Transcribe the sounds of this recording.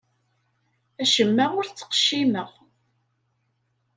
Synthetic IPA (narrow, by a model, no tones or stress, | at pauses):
æʃəmːæʁʊɾt͡sːə̥qʃiməʁ